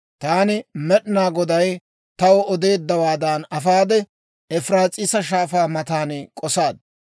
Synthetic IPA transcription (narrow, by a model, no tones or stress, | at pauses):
t̪aːnɪmɛɗnaːɡɔd̪ɐj | t̪ɐwɔɔd̪e̞ːd̪ːɐwaːd̪ɐnɐfaːd̪ɛ | ɛfɾaːt͡sʼɪsɐʃ̬aːfaːmɐt̪aːnkʼɔsaːd̪